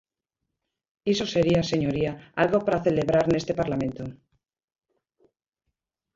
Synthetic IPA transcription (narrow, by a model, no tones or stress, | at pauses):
iso̞seɾiase̞ɲo̞ɾiaalɣo̞paɾaθe̞le̞βɾaɾne̞st̪e̞paɾlamẽ̞nt̪o